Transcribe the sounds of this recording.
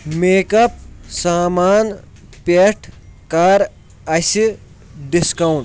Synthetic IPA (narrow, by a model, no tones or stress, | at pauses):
meːkɐp̚saːmaːn | peʈʰkaːɾ | ɐsi | ɖiskɐwn